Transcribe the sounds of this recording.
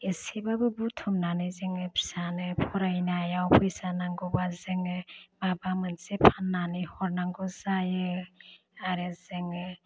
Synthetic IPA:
esibabɯbutʰɔmnanɯjzɯŋɯpʰi̥sanɯpʰɔɾajnajawpʰɯjsanaŋɡɔbazɯŋɯbabamɯnsepʰanːanɯhɔɾnaŋɡɔzajɯ | aɾɯzɯŋɯ

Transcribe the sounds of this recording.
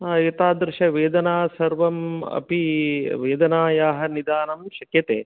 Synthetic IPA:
ɐt̪aːd̪ɾɪʃɐʋeːd̪ɐnaːsɐɾʋɐmɐ̰piʋeːd̪ɐnaːjaːɦɐnid̪aːnɐmʃɐkjɐt̪ḛː

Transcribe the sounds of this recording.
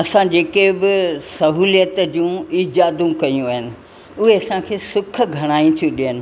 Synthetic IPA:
ɐsãd͡ʑeːkebɪsɐɦuːlijət̪d͡ʑũiːd͡ʑaːd̪ũkɐjũaːɦɪnɪ̆ | ʊɦeɐsãkʰeːsʊkʰɡʱɐɽ̃aːĩt̪ʰũɗiɦənɪ̆

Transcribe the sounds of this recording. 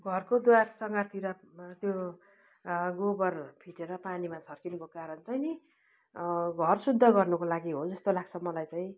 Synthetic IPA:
ɡʱʌrkod̪warsʌŋɡʌt̪ʰiɾʌt̪jo | ɡobʌrpʰiʈeɾʌpanimat͡sʰʌrkinkokaɾʌnt͡sajni | ɡʱʌrsud̪ʱːʌɡʌrnukolaɡiɦod͡zʌst̪olaɡ̚t͡sʰʌmʌlajt͡sajĩ

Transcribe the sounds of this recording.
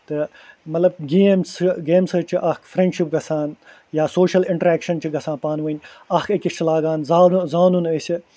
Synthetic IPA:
t̪ɨ | mɐt̪lɐb̚ɡeːmsɡeːmsɐt͡ʃʰiʔɐkʰfɾẽɳɖʃip̚ɡɐsãːn | jaːsoːʃɐlɪɳʈɐɾɛːkʃɐnt͡ʃʰiɡɐsãːpaːnʋuːnʲ | ɐːkʰekist͡ʃʰilaːɡãːnzaːzaːnunəsi

